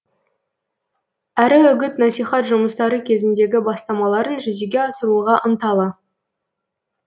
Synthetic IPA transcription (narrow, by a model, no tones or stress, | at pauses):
æɾɪɵɡʲɪt̪nɑsijχɑt̪ʒʊməst̪ɑɾəkʲʰe̞zɪnd̪e̞ɡʲɪbɑst̪ɑmɑlˠɑɾənʒʏzeɡʲe̞ɑsəɾuʁɑʔənt̪ɑlˠə